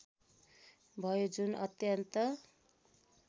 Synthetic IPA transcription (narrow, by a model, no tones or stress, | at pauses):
bʱʌjod͡zunʌt̪jʌnt̪ʌ